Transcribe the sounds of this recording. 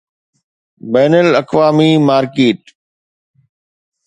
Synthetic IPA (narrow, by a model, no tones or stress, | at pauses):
bɛːnəlɐkʋaːmimaːɾkeːʈ